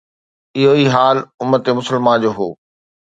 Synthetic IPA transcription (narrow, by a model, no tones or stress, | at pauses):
ɪɦoiɦaːlʊmːət̪emʊsəlmand͡ʑoːɦoː